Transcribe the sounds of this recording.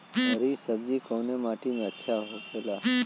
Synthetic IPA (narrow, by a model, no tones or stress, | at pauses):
ɦəɾisəb̚d͡ʒikoːnemaːʈimẽətːʃʰaɦokʰela